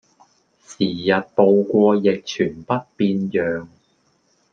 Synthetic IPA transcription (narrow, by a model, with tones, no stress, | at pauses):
siː˨˩jɐ˨t̚po˨˧wkʷɔː˧jɪ˨k̚t͡ʃʰyː˨˩npɐ˥t̚piː˧njœː˨ŋ